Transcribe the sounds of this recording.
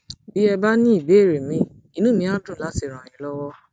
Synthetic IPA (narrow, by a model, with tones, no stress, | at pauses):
bi˦ɛ˧ba˦nĩ˦i˦˨be˨˦˨ɾe˨mĩ˧˦ | i˦˧nũ˦˨mĩ˧˦a˦tũ˦˨la˨˦si˧˨ɾ̃ã˨ĩ˨˦lɔ˦wɔ˦